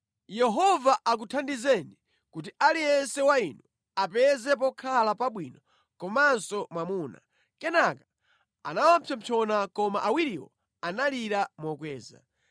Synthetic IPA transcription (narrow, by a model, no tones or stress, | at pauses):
jɛɦɔvaʔak̬utʰandizɛni | kut̬ialijɛnsɛwainu | apɛzɛpɔkʰalapaɓwinɔ | kɔmansɔmamuːna̰ | kɛnaka | a̰nawampʰɛmpʰɔnakɔmaʔawiɾiwɔ̰ | analiɾamɔkwɛːza̰